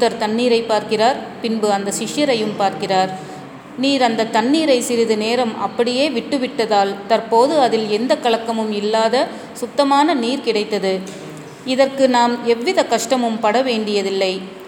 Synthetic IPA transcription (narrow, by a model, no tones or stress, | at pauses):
ɐɾt̪ɐɳːiːɾɐɪpːaːɾkɪraːɾpɪnbɯɐnd̪ɐʃɪʂjɐɾɐjɯmpaːɾkɪraːɾ | niːɾɐnd̪ɐt̪ɐnːiːɾɐɪsɪɾɪðɯneːɾɐmɐpːɐɽɪjeːʋɪʈːɯʋɪʈːɐðaːlt̪ɐɾpoːðɯɐðɪlɛnd̪ɐkːɐɭɐkːɐmɯmɪlːaːðɐ | sʊt̪ːɐmaːnɐniːɾkɪɽɐɪt̪ːɐðɯ | ɪðɐrkɯnaːmɛʋːɪðɐkɐʂʈɐmɯmpɐɽɐʋeːɳɖɪjɐðɪlːɐɪ